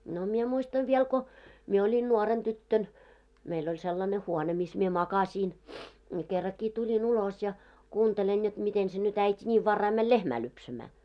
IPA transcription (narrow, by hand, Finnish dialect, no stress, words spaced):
no mie muistɑʋ ʋiɛl ko mie olʲin nuoren tytːøn meilː olʲ selːɑne huone mis mie mɑkɑsʲiːn ni kerːɑkːiː tulʲin ulos jɑ kuːntelen jot miten se nyt æitʲi nʲiːʋ ʋɑrːɑi mæl lehmæː lypsæmæː